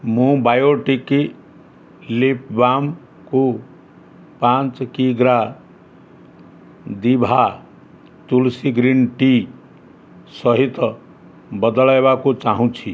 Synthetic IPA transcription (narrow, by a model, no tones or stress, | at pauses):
mũbajoʈiki | lipbam | ko | pãnt͡skiɡɾa | d̪ibʱa | t̪ulsiɡɾinʈi | sʌɦit̪ʌ | bʌd̪ɔlajbakot͡saɦũt͡sʰi